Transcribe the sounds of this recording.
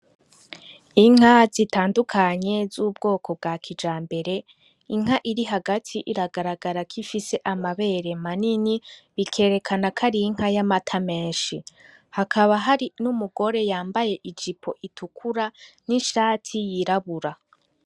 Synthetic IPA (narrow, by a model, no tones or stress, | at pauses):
iŋ̥azitaːndukʰaɲe̞zuːb̚ɡo̞ːkʰo̞b̚ɡaːkʰid͡ʒaːmbe̞ɾe̞ | iŋ̥aʔiɾiɦaɡatʰiʔiɾaɡaɾaɡaɾakʰifise̞ʔamaβe̞ɾe̞maniniβikʰe̞ːɾe̞kʰanakʰaɾiŋ̥hajamatʰame̞ːnʃi | hakʰaβaɦaɾinumuɡo̞ɾe̞jaːmbaje̞ʔid͡ʒipʰo̞ʔitʰukʰuɾaniʃaːtʰijiɾaβuɾa